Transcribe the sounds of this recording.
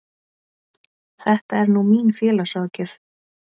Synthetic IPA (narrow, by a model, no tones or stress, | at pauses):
θɛht̪aɛɾnumiːnfjɛːlasɔːcʏθ